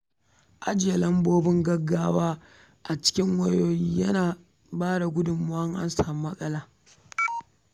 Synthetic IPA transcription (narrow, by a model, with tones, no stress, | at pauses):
ʔa˦d͡ʒɪ˨ja˨lɐ˦mboː˦bɪ˦ŋɡɐ˦ɡːaː˦waː˦ | ʔa˨t͡ʃɪ̥˦kʲɪ˦ŋwɐ˦joː˦ji˦jɐ˦naː˨ | baː˦da˨ɡʷʊ˦dʊ˨mːʊ˦ʔɐ˦ŋʔa̰˦nsaː˨m˦mɐ˦sʼɐ˦laː˨